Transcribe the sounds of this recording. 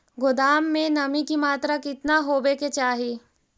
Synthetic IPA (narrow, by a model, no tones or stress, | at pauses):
ɡʊd̪aːmːẽnɐmikimaːt̪ɾakɪt̪naɦoːbeːket͡ʃaːɦi